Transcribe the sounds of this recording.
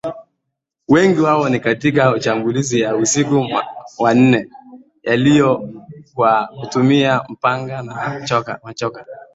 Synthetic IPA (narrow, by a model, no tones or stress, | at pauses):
wɛŋɡiwaɔnikatik̬aut͡ʃamɡulizijausikuwan̩nɛ | jalijɔkwakutumiam̩paŋɡanaɔkamat͡ʃɔka